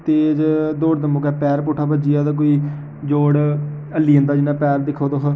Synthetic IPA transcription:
t̪eːd͡ʒd̪oːɽd̪əmõːkɛːpɛːɾpuːʈʰaːbəd͡ʒijaːd̪aːk̬oːiː | d͡ʒoːɽ | əlːiːə̃nd̪aːd͡ʒɪnãːpɛːɾd̪ɪkʰːoːd̪oːɦ

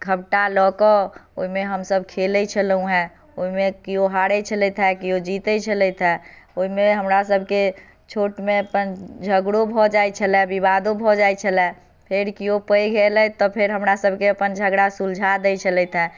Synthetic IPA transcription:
ɡʱəbʈalɔkɔoimeɦəmsəb̚ʱkʰeləit͡ʃʰəlũɦɛ̃ | oɦimekioɦaɽɛt͡ʃʰəlɛt̪ʰɦɛkiod͡ʒit̪ət͡ʃʰəlɛt̪ʰɦɛoimeɦəmɾasəbʱke | t͡ʃʰoːʈmẽəpənd͡ʒʱəɡɽobʱɔd͡ʒajt͡ʃʰəlɛbibad̪obʱɔd͡ʒajt͡ʃʰəlɛ | pʰeɾkiopəjɡʱelɛt̪ɔpʰeɾɦəmɾasəbʱkeəpənd͡ʒʱəɡɽasuld͡ʒʱad̪ɛjt͡ʃʰəlɛt̪ʰɦɛ̃

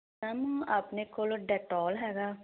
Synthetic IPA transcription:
amaːpnekoːlɖɛːʈɔːlɦɛːɡaː

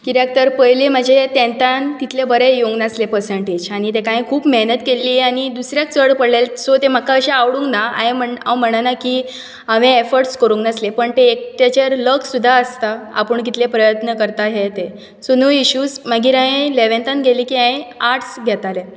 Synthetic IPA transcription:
kiɾak̚t̪əɾpəjlim̤əd͡ʑʱet̪ẽnt̪ant̪it̪ʰlebəɾejoŋɡnəslepəɾsəɳʈed͡ʑaɽ̃it̪̬ekãẽkʰuːpmeɦnət̪kelːiːañid̪usɾjak̚t͡səɽpəɽlelsot̪em̤əkːaəɕeaʋɽũŋknaa̰ẽməɳa̰m̤əɽ̃anakiː | aʋẽefəɾʈskəɾũŋɡnəslepəɳt̪eːk̚t̪at͡ɕaɾləkʰsud̪ʱːaəst̪aa̰pəɳkit̪lepɾəjət̪nəkəɾt̪aɦet̪e | sonəiɕuːd͡zməɡiːɾaẽleʋẽnt̪ãnɡʱeliːkiãẽaɾʈʰsɡʱjɛt̪alẽ

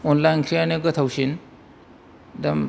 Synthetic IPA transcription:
ɔnlajnkʰɾijaneɡɐtʰawsin | dɐm

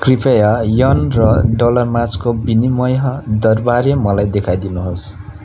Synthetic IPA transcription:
kripʌjajʌnrʌɖolʌrmat͡skobinimʌjɦʌd̪ʌrbarjʌmʌlajd̪ekʰajd̪inuɦos

